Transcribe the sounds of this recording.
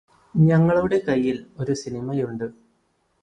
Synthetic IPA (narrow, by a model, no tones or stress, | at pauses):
ɲɐŋːɐɭuɽe̞kɐjːilo̞ɾusinimɐjuɳɖɨ